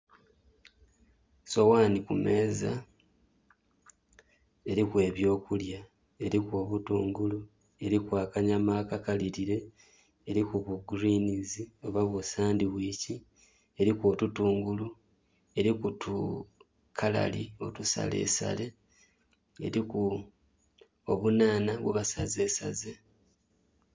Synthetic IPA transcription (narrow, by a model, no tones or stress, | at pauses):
so̞waːnikume̞ːza̰ | e̞ɾikwe̞ːβjo̞ːkulja | e̞ɾikwo̞ːβutuːŋɡulu | e̞ɾikwaːkaɲamaːkakaliɾiɾe̞ː | ɾikuβuɡuɾiːnizio̞βaβwusaːndiβwiːci | e̞ɾikoːtutuːŋɡulu | e̞ɾikutʰu | kʰala̰lio̞̰tusa̰le̞̰sa̰le̞ | ḛɾiku | oβunaːnaβweβasaze̞ːsa̰ze